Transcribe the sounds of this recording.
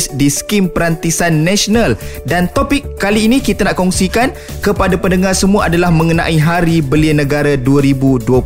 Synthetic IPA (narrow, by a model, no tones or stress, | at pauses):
sdiskimpəɾant̪isanːɛsonaldant̪opɪkːaliːnĩkit̪anaʔkɔŋsikan | kəpadapəndəŋarsəmũaadalahmə̃ŋəna̰ʔiɦaɾibəliənəɡaɾaduəɾibuduə